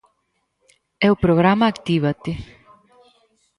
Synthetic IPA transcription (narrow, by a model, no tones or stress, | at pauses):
ɛupɾoɣɾamaːkt̪iβat̪ɪ